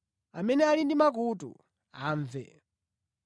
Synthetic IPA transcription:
amɛnɛalindimak̬utṵ | aːɱvɛ̰

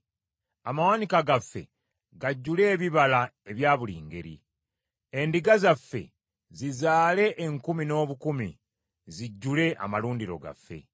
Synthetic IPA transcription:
amawanikaɡafːe̞̰ | ɡaɟːule̞ːβiβalae̞βjaːβuliːŋɡe̞̰ɾḭ | endiɡazafːe̞̰ | zizaːle̞ʔːŋkumino̞ːβukumḭ | ziɟːule̞ʔa̰maluːndiɾo̞̰ɡa̰fːe̞̰

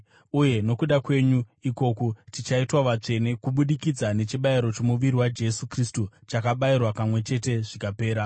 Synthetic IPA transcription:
uje̞no̞kuɗakwe̞ɲuiko̞kotit͡ʃaitwaʋat͡ʂe̞ne̞kuɓuɗikid͡zane̞t͡ʃiɓaiɾo̞t͡ʃe̞muʋiɾiwad͡ʒe̞sukristut͡ʃakaɓairwapamwe̞t͡ʃe̞te̞ʐikape̞ːɾa

